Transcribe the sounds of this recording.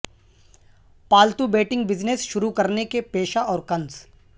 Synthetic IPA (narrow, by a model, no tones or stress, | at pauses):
paːlt̪ubeːʈɪ̃ŋɡ̚bɪd͡ʒnesʃʊɾukɐɾnekepeːʃaɔːɾkɐ̃nz